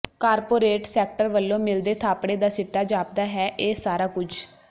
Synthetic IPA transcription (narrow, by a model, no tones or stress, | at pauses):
kaːɾpoːɾeːʈsɛːk̚ʈəɾʋəlːõːmɪld̪eːt̪ʰaːpɽ̃eːd̪aːsɪʈːaːd͡ʒaːp̚d̪aːɦɛːʔeːsaːɾaːkʊt͡ʃʰ